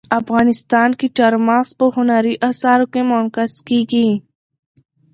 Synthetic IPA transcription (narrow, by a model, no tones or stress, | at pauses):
ɐfɣaːnɪst̪aːnkiʈɐɾmaːspəɦʊnaɾiʔasaːɾõkemoːnkəskiɡiː